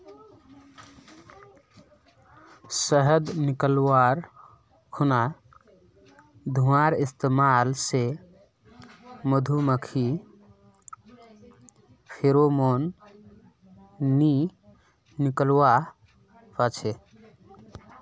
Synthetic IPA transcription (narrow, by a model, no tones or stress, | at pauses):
səɦəd̪nikəlwaɾ | kʰuna | d̪ʱuaɾist̪emalse | məd̪ʱuməkʰi | pʰeɾomon | ni | nikəlwa | pət͡ʃʰe